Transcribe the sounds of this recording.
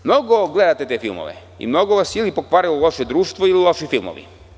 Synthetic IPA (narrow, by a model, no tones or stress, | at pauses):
mnoɡoɡle̞d̪at̪et̪e̞ːfilˠmo̰ʋḛ | ḭmno̞ɡoʋasilipokʋaːɾioulˠo̞ʃed̪ɾuːʃt̪ʋoililˠo̞ʃifilˠmo̰ʋḭ